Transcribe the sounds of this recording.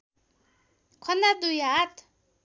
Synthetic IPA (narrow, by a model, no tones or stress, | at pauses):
kʰɔnd̪ad̪ujat̪